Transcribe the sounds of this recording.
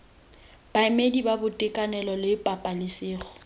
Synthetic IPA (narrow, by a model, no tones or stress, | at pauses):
b̥aɪmedibabʊtʼɪkʼanɛlɔlɪpʼapʼalɪsɪːχɔ̥